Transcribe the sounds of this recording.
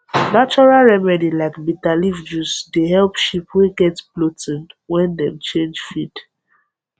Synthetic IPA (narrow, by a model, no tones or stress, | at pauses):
nat͡ʃɔɹalɹɛmɛdilaɪkmitalivd͡ʒusdeɦɛlpʃipweɡɛtblotɪ̃nwɛ̃ndɛ̃mt͡ʃẽnd͡ʒfid